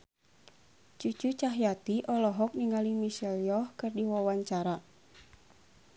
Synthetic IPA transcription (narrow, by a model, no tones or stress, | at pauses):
t͡ʃut͡ʃut͡ʃaɦjat̪iʔɔlɔɦɔk̚niŋalimisɛljɔhkɨrdiwawaɲt͡ʃaɾa